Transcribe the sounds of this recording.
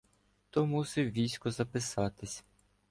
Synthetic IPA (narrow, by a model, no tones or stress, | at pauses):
t̪ɔmusɪwʋʲijsʲkʊzɐpɪsɑt̪ɪsʲ